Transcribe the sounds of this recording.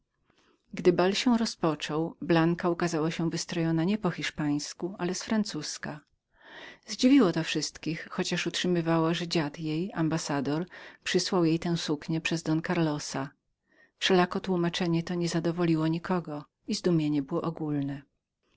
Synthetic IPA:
ɡd̪ɘbalɕɛɾɔspɔt͡ʂɔwblaŋkaukazawaɕɛvɘst̪ɾɔjɔnaɲɛpɔxʲiʂpaj̃skualɛsfɾant̪suska | zd͡ʑivʲiwɔt̪ɔfʂɘst̪kʲixːɔt͡ɕaʂutʂɘmɘvawaʐɛd͡ʑad̪jejambasad̪ɔɾpʂɘswawjejt̪ɛ̃w̃sukɲɛpʂɛzd̪ɔnkaɾlɔsa | fʂɛlakɔt̪wumat͡ʂɛɲɛt̪ɔɲɛzad̪ɔvɔlʲiwɔɲikʰɔɡɔ | izd̪umʲjeɲɛbɘwɔʔɔɡulnɛ

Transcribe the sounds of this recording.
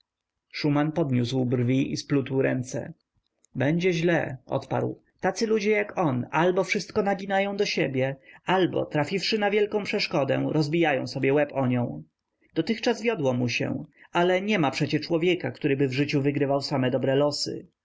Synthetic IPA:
ʂumanpɔd̪ɲuswbrvʲiʔisplut̪wɾɛnt̪sɛ̰ | bɛɲd͡ʑɛʑlɛ̰ʔɔ̰t̪pa̰ɾw | t̪at̪sɘlud͡ʑɛjakɔnalbɔfʂɘst̪kɔnaɡʲinajɔ̃w̃d̪ɔɕebʲjɛalbɔ̰t̪ɾafʲifʂɘnavʲjɛlkɔ̃w̃pʂɛʂkɔd̪ɛ̰ɾʔɔzbʲijajɔ̃sɔbʲjɛwɛpɔɲɔ̃w̃ | d̪̥ɔt̪ɘxt͡ʂazvʲjɔd̪wɔmuɕɛ̰alɛɲɛmapʂɛt͡ɕɛt͡ʂwɔvʲjɛkakt̪uɾɘbɘvʐɘt͡ɕuvɘɡɾɘvawsamɛd̪ɔbɾɛlɔsɘ̰

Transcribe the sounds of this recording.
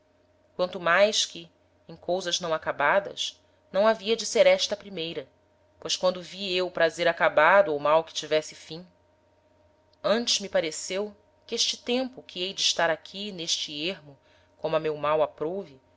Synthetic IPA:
kwɐ̃nt̪ʊmajskɪ | ẽj̃kʰowzɐʒnɐ̃w̃akabad̪ɐ̰s | nɐ̃w̃aviɐd͡ʒɪseɾɛʃt̪ɐpɾimejɾɐ | pojʃkwɐ̃nd̪ʊviewʊpɾazeɾakabad̪ʊowmawkɪ̥t͡ʃivɛsɪfĩ | ɐ̃nt͡ʃɪzmipaɾesew | kɪeʃt͡ʃɪt̪ẽmpʊkʰiejd͡ʒɪiʃt̪aɾakʲʰineʃt͡ʃieɦmʊ | kõmʊɐmewmawapɾowvi

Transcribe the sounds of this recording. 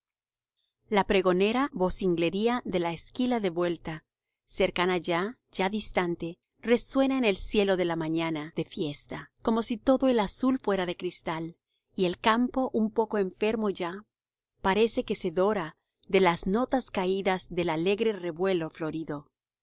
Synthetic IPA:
lapɾe̞ɣo̞ne̞ɾaβo̞siŋɡle̞ɾiaðe̞laeskilaðe̞βwe̞lt̪a | se̞ɾkanaʝa | d͡ʒaðist̪ant̪e̞ | re̞swe̞naene̞lsje̞lo̞ðe̞lamãɲanaðe̞fje̞st̪ako̞mo̞sit̪o̞ðo̞e̞lasulfwe̞ɾaðekɾist̪al | ie̞lkampo̞ʔumpo̞koe̞ɱfe̞ɾmo̞ʝa | paɾe̞se̞ke̞se̞ðo̞ɾa | ðe̞lazno̞t̪askaiðazðe̞lale̞ɣɾe̞re̞βwe̞lo̞flo̞ɾiðo̞

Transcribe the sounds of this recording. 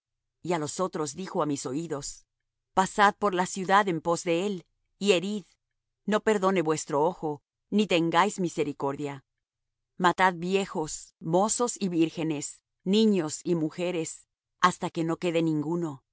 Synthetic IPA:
ialo̞so̞t̪ɾo̞zðixo̞amiso̞iðo̞s | pasað̚po̞ɾlasjuðaðe̞mpo̞zðe̞e̞l | ie̞ɾið | no̞pe̞ɾðo̞ne̞βwe̞st̪ɾo̞oxo̞ | nit̪e̞ŋɡajzmise̞ɾiko̞ɾðja | mat̪aðbje̞xo̞smo̞so̞siβiɾxe̞ne̞s | nĩɲo̞simuxe̞ɾe̞s | ast̪ake̞no̞ke̞ðenĩŋɡuno̞

